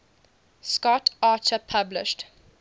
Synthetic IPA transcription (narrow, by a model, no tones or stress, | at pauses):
skɔtaːt͡ʃəpʰablɪ̰ʃt